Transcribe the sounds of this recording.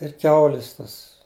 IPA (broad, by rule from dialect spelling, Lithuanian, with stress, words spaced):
ɪr ˈkʲɛʊlʲɪs ˈtɐs